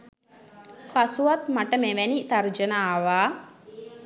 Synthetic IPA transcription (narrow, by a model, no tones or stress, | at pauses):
kasuʋat̪maʈəmeʋænit̪ard͡ʒənaːʋaː